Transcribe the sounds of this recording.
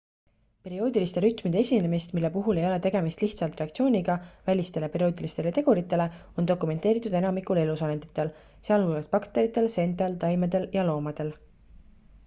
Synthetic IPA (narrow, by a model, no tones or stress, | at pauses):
pe̞ɾio̞ːd̪ilist̪e̞ɾyt̪ˑmid̪eesʲinːe̞mist̪milːe̞puɦule̞jo̞le̞t̪e̞ɡ̥e̞mist̪liht̪sɑlt̪ˑreɑk̚t̪sio̞ːnʲiɡ̥ɑvælʲist̪e̞lepe̞ɾio̞ːd̪̥ʲilist̪e̞let̪e̞ɡ̥uɾit̪ːˑe̞le̞o̞nd̪o̞kˑume̞nt̪ːˑe̞ːɾit̪ːˑud̪e̞nɑmikule̞lusɑlend̪it̪ːˑel | seɑlhulɡɑspɑkt̪e̞ɾit̪ːˑe̞lse̞nt̪elt̪ɑjmed̪e̞ljɑlo̞ːmɑd̪̥e̞l